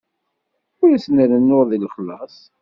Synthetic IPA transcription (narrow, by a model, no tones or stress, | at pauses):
ʊɾæsnəɾənːʊɾðilχəlːɑsˤ